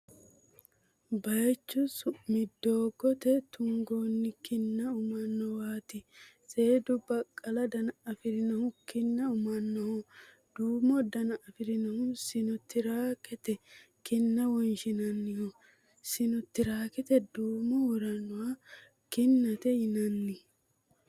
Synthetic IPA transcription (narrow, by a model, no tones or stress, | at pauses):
bɐjt͡ʃːʊsmɪd̪ːoːɡɔt̪ɛt̪ʊŋɡoːnːɪkɪnːɐʊmɐnːɔwaːt̪ɪ | se̞ːd̪ʊbɐkʼːɐlɐd̪ɐnɐɐfɪɾɪnɐhʊkɪnːɐʊmɐnːɔhɔ | d̪̥uːmɔd̪ɐnɐʔɐfɪɾɪnɐhʊsɪnɔt̪ːɪɾaːkɛt̪ɛ | kɪnːɐwɔnʃɪnɐnːɪhɔ | sɪnɔt̪ːɪɾaːkɛt̪ɛd̪uːmɔwɔɾɐnːʊwa | kɪnːɐt̪ɛjɪnɐnːɪ